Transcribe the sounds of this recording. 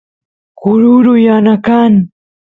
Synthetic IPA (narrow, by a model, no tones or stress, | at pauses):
kʊɾuɾʊjanakan